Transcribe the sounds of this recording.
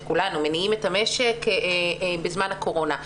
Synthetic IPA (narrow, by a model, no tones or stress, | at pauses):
kulanumeniimetame̞ʃek | bezmanhako̞ʁo̞na